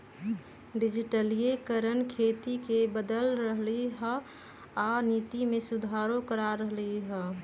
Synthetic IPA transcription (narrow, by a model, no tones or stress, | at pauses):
ɖɪd͡ʒiʈəliekəɾənkʰeːt̪ikebəd̪əlɾəɦliɦə | anit̪imẽsud̪ʱaɾokəɾaɾəɦliɦə